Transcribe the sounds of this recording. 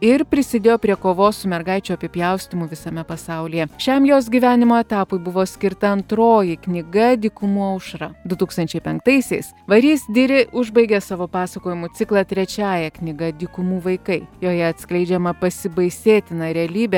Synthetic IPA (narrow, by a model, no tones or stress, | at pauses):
ɪɾpʲɾʲɪsʲɪd̪ʲeːjoːpʲɾʲiɛkoːʋoːssʊmʲɛɾɡɐɪt͡ʃʲʊɐpʲɪɛpʲjɛʊsʲt̪ʲɪmʊʋʲɪsɐmʲɛpɐsɑʊlʲijɛʃʲɛmjoːs̬ɡʲiʋʲæːnʲɪmoːɛt̪ɑːpuɪbʊʋoːsʲkʲɪɾt̪ɐɐnt̪ɾoːjɪknʲɪɡɐd̪ʲikʊmuːɐʊʃɾɑːd̪ʊt̪uːkst̪ɐnʲt͡ʃʲɛɪpʲɛŋk̚t̪ɐɪsʲɛ̰ɪs | ʋɐɾʲiːsd̪ʲɪɾʲɪʊʒbɐɪɡʲɛsɑːʋoːpɑːsɐkoːjɪmʊt̪t͡s̪ʲɪklˠɑt̪ʲɾʲɛt͡ʃʲɑːjɛknʲɪɡɐd̪ʲikʊmuːʋɐɪkɐɪjoːjɛɐt̪ʲsklʲɛɪd͡ʒʲɛmɐpɐsʲɪbɐɪsʲeːt̪ʲɪnɐɾʲɛɐlʲiːbʲe